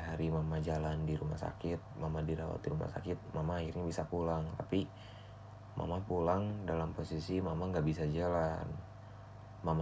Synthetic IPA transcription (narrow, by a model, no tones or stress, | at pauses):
ɦaɾimamad͡ʒalandiɾumahsa̰kɪt̪̚mamadiɾawa̰t̪iɾuma̰hsakɪt̪̚mamaːhirɲabisapulaŋt̪api | mʔa̰mapulaŋdalamposisimamaŋɡaʔbisad͡ʒalan | mama